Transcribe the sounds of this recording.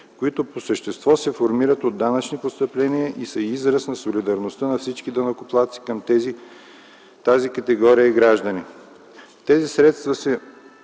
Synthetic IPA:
koit̪oposəʃt̪ɛst̪vɔsɛfoɾmiɾət̪od̪ːanɐt͡ʃnipost̪əplɛniəʔisəizɾəsnɐsolid̪ɐɾnost̪ənɐfsit͡ʃkid̪ɐnɐkoplˠat̪si̥kɐmt̪ɛzi | t̪azikɐt̪ɛɡɔɾijəiɡɾaʒd̪əni | t̪ɛzisɾɛt̪st̪vəsɛ

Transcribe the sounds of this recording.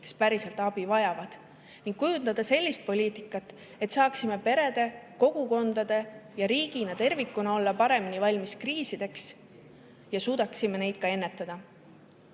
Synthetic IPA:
ke̞̥spæɾise̞lt̪ˑɑb̥ivɑjɑvɑd̪̥ | niŋɡ̥̚kujund̪ɑd̪̥ɑse̞lʲːist̪̚po̞lʲiːt̪ˑikːˑɑt̪ːˑ | e̞t̪sɑːksime̞pe̞ɾe̞d̪̥e̞ko̞ɡ̥uko̞nd̪̥ɑd̪̥e̞jɑɾiːɡ̥inɑt̪e̞rvikːˑunɑo̞lːɑpɑɾe̞minivɑlʲmiskriːsid̪̥e̞ks | jɑsuːd̪̥ɑksime̞ne̞jd̪̥̚kɑe̞nːe̞t̪ːˑɑd̪̥ɑ

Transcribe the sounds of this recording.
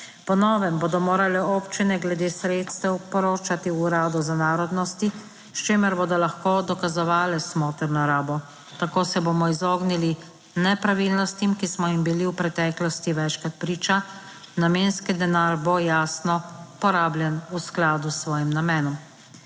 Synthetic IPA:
pɔnɔːʋɛmbod̪ɔmoːɾalɛɔːpt͡ʃinɛɡlɛd̪eːsɾeːt̪st̪ɛwpɔɾoːt͡ʃat̪iuɾaːd̪ɔzanaːɾɔd̪nɔst̪i | ʃt͡ʃeːmɛɾboːd̪ɔlaxkoːd̪ɔkazɔʋaːlɛsmɔːt̪ɛɾnɔɾaːbɔ | t̪akoːsɛbomɔizoːɡnili | nɛpɾaʋiːlnɔst̪imkismɔimbiliwpɾɛt̪ɛːklɔst̪iʋɛt͡ʃkɾat̪̚pɾiːt͡ʃa | nameːnskid̪ɛnaːɾbojaːsnɔpɔɾaːblʲjɛnusklaːd̪usʋɔːjɛmnamɛːnɔm

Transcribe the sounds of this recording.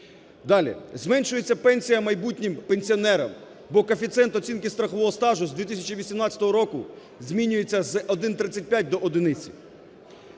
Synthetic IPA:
d̪ɑlʲḭzmɛnʲʃʊjet͡sʲːɐpɛnʲsʲijɐmɐjbutʲnʲɪmpenʲsʲiɔnɛɾɐ̰m | bɔkɔfʲit̪sɛnt̪ɔt͡sʲinkɪst̪ɾɐxɔʋɔɦɔst̪ɑʒʊzd̪ʋʲit̪ɪsʲɐt͡ʃiʋʲisʲimnɑtt͡sʲɐt̪ɔɦɔɾɔkʊ | zʲmʲinʲʊje̞t͡sʲːɐzɔd̪ɪnt̪ɾɪt͡sʲːɐt̚ʲpʲjat̚ʲd̪ɔʔɔd̪ɪnɪt͡sʲḭ

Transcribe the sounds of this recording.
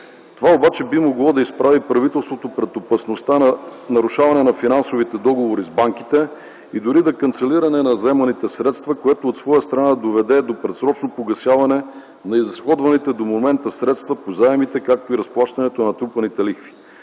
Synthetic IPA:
t̪ovaobat͡ʃɛbimoɡlˠɔd̪ɐispɾavipɾɐvit̪ɛlˠst̪vot̪opɾɛt̪opɐsnost̪anɐɾuʃavɐnɛnɐfinansovit̪ɛd̪ɔɡovoɾizbaŋk̟it̪ɛ | id̪ʊɾid̪ɐkɐnt̪sɛliɾɐnɛnɐzɛmɐnit̪ɛsɾɛt̪st̪vɐkoɛt̪oːt̪svɔjəst̪ɾɐnad̪ovɛd̪ɛd̪opɾɛt̪sɾɔt͡ʃnopoɡɐsjavɐnɛ | nɐizxɔd̪vɐnit̪ɛd̪omomɛnt̪əsɾɛt̪st̪vɐpozaɛmit̪ɛkak̚t̪oiɾɐsplˠaʃt̪ɐnɛt̪onɐt̪ɾupɐnit̪ɛlixfi̥

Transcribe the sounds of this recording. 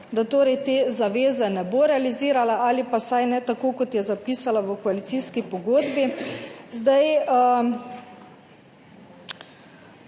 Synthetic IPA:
d̪at̪oːɾɛjt̪ezaʋeːzɛnɛboɾɛaliziːɾalaʔalipasajnɛt̪akoːkɔt̪jɛzapiːsalaʋəkɔalit̪siːskipɔɡoːd̪bizd̪aj

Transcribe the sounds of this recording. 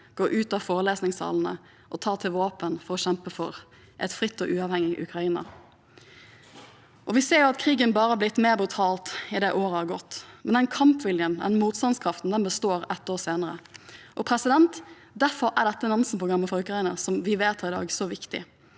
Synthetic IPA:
ɡ̥oːʔʉːt̪ɑfoːɾəleːsnɪŋsɑ̰ːln̩ə̰ | ʔɔt̪ʰɑːt̪ʰɪlʋɑːpənfɔɾɔɕɛmpəfɔɾ | ʔɛt̪fɾɪt̪ːɔʔʉːɑːʋhɛŋːɪʔʉ̰kɾɑiːnɑ̰ | ʔɔʋɪseːɾjʊɑt̪kʰɾiːɡənbɑːɾəhɑblɪt̪ːmeːbɾʉt̪ʰɑːlt̪ɪd̪ɛʔoːɾəhɑɾɡɔt̪ːmɛnd̪ɛnkʰɑmpʋɪljənd̪ɛ̰nmuːt̪st̪ɑnskʰɾɑft̪n̩d̪ɛnbəst̪oːɾɛt̪ːoːseːnəɾə̰ʔɔpʰɾɛsɪd̪ɛnt̪ | d̪æɾfɔɾæɖ̪ɛt̪ːənɑnsənpʰʊɡɾɑmːəfɔɾʉkɾɑiːnəsɔmʋɪʋeːt̪ʰɑɾɪd̪ɑ̰ːɡsɔʋɪkt̪ɪ̰

